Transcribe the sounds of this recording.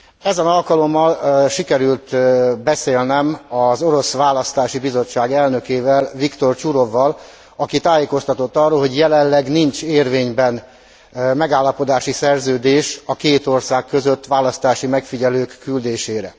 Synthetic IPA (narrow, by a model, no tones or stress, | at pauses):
ɛzɛnɒlkɒlo̞mːɒlʃikɛɾylt̪bɛseːlnɛmɒzo̞ɾo̞sʋaːlɒst̪aːʃibizo̞t͡ʃːaːɡɛlnø̞keːvɛlvikt̪o̞rt͡ʃuɾo̞vːɒl | ɒkit̪aːjeːko̞st̪ɒt̪o̞t̪ːɒrːoːlɦo̞ɟjɛlɛlːɛɡnint͡ʃeːrveːɲbɛn | mɛɡaːlːɒpo̞d̪aːʃisɛrzøːd̪eːʃɒkeːt̪o̞rsaːkːø̞zøt̪ːʋaːlɒst̪aːʃimɛkfiɟɛløːkːyld̪eːʃeːɾɛ̰